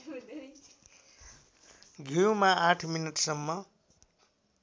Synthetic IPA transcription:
ɡʱiumaʔãʈʰminʌʈsʌmːʌ

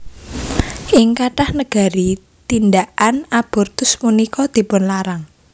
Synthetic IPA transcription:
ʔɪŋkaʈahnəɡ̥a̤ɾi | t̪ind̪aʔanab̥ɔ̤rt̪ʊsmunikɔd̪̥i̤pʊnlaɾaŋ

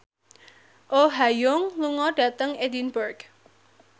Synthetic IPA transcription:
ʔoɦajʊŋluŋɔɖ̥ä̤t̪əŋedinbərɡ

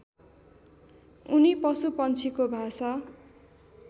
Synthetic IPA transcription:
unipʌsupʌnt͡sʰikobʱasa

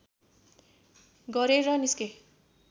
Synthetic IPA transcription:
ɡʌɾeɾʌniske

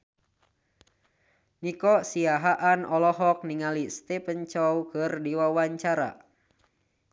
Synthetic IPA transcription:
nikɔsiaɦaʔanɔlɔɦɔk̚niŋalist̪ɛpəɲt͡ʃɔwkɨrdiwawaɲt͡ʃaɾa̰

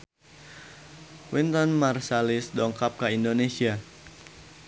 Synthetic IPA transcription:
wint̪ɔnmarsalisdɔŋkap̚kaindonesia

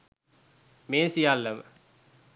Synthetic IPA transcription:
meːnsijalːəʋə

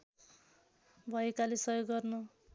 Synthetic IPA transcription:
bʱʌekalesʌjoɡːʌrnʌ

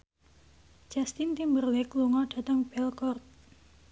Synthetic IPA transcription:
d͡ʒ̥ast̪int̪imbərlɛkluŋɔɖ̥a̤t̪əŋb̥ɛlkɔrt̪̚

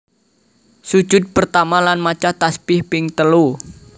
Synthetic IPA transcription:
su̥d͡ʒʊt̪̚pərt̪amalanmat͡ʃat̪aspɪhpɪŋt̪əlu

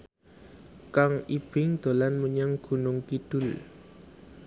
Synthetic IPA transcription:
kaŋib̥ɪŋd̪̥o̤lanmuɲaŋɡ̥ṳnʊŋkiɖ̪̥ʊ̤l

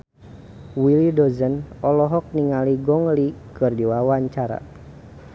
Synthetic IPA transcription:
wilidozənɔlɔɦɔk̚niŋaliɡɔŋlikərdiwawaɲt͡ʃaɾa̰

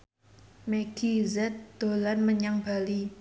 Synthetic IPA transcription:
mɛɡʰizɛt̪̚d̪̥o̤lanməɲaŋb̥ali

